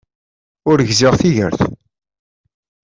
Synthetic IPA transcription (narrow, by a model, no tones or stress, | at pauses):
ʊɾʝzɪʁθiʝə̰ɾθ